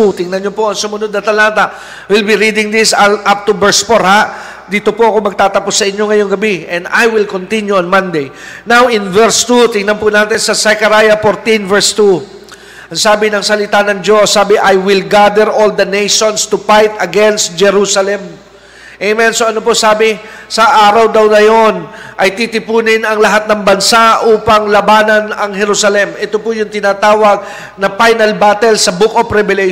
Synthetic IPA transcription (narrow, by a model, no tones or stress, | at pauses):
t̪ɪŋnɐnɲopoʔɐŋsʊmʊnod̪̚nɐt̪ɐlaːt̪ɐʔ | wɪlbiɾid̪ɪŋd̪ɪsʔap̚t̪ubɛɹspoɾhaʔ | d̪iːt̪o̞poʔɐko̞mɐɡ̚t̪aːt̪ɐposːɐʔɪɲjo̞ŋɐjoŋɡɐbiʔɛ̃nd̪a̰jwɪlkont̪injuɐnmãnd̪ejnawʔɪ̃nvɛɹst̪ut̪ɪŋnɐnpʊnaːt̪ɛnsɐsɛkɐɾajɐfoɾt̪invɛɹst̪u | ʔɐŋsaːbɪnɐŋsɐlɪt̪anɐŋd͡ʒo̞sːaːbɪʔajwɪlɡad̪ɛɹʔold̪ɐnejʃonst̪ufajt̪ɐɡɛnst̪̚d͡ʒɛɾusɐlɛm | ʔemɛnsoʔɐnoposaːbɪsɐʔaːɾɐwd̪ɐwnɐjo̞nʔɐjt̪it̪ɪpuːnɪnɐŋlɐɦat̪̚nɐŋbɐnsaʔuːpɐŋlɐbaːnɐnɐŋhɛɾusɐlɛmʔɛt̪opʊjʊŋt̪ɪnaːt̪aːwɐɡ̚ | nɐpajnɐlbat̪ɛlsɐbukopɾɛbɛlɛ